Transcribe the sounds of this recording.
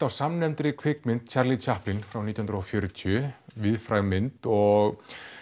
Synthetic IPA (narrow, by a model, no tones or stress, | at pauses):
t̪awsamnɛmt̪ɾɪkʰvɪkmɪnt̪t͡ɕʰaɾlɪt͡ɕʰahplɪnfɾawnit̪jhʏnɾɔfjœːɾʏt̪ʰʏvɪðfɾaɣmɪnt̪ɔɣ